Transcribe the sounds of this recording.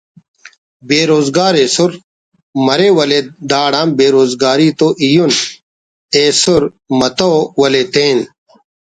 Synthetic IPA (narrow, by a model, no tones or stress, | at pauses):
beːɾoːzɡaːɾeːsuɾ | mɐɾeːwɐled̪aːɽãːmbeːɾoːzɡaːɾiːt̪oːʔijun | eːsoɾ | mɐt̪owɐlet̪ẽːn